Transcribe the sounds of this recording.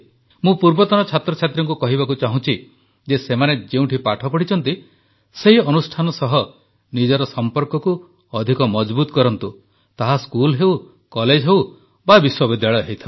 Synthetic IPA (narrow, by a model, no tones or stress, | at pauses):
mũpuɾbɔt̪ɔnɔt͡ʃʰat̪ɾɔt͡ʃʰat̪ɾɔŋkukɔɦiβakut͡ʃaɦũt͡ʃʰi | d͡ʒesemaned͡ʒeũʈʰipaʈʰɔpɔɽ̤it͡ʃʰɔnt̪i | seɦiɔnusʈʰanɔsɔɦɔ | nid͡ʒɔɾɔsɔmpɔɾkɔku | ɔd̪ʱikɔmɔd͡ʒbut̪ɔkɔɾɔnt̪u | t̪aɦaskulɦew | kɔled͡ʒɦew | babiswɔbid̪jaɭɔjɔɦejt̪ʰab